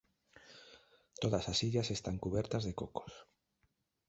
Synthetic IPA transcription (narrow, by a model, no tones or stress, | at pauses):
t̪oðasasiʎasest̪aŋkuβɛɾt̪ɐzðekoko̥s